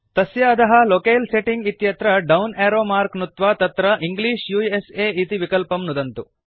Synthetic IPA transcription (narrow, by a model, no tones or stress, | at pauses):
t̪ɐsjaːd̪ɐɦɐlokeːlseʈiŋɡit̪jɐt̪ɾɐɖɐwneːɾoːmaːɾknut̪ʋat̪ɐt̪ɾɐʔiŋɡliːʂjuːeseːit̪iʋikɐlpɐmnud̪ɐnt̪u